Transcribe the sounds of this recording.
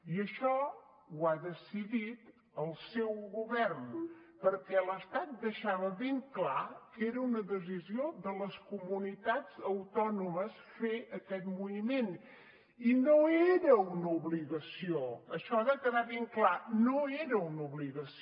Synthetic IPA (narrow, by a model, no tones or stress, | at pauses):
iəʃɔ | waðəsiðit̪ | əlˠsɛwɣuβɛrn | pəɾkɛləst̪at̪̚d̪əʃaβəβeŋklakeɾəunəðəzizioðələskumunit̪ad͡zəwt̪ɔnuməs | feʔəkɛt̪muimen | inoeɾəunəuβliɣəsioəʃɔaðəkəðaβeŋklanoeɾəunuβliɣəs